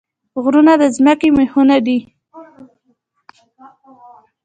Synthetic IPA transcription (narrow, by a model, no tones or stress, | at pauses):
ɣɾunad̪əzməkemehunad̪i